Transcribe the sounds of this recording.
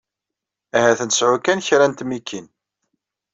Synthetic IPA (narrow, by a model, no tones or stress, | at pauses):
æhæθənt̪əsʕukːænçɾænt̪mikʰːin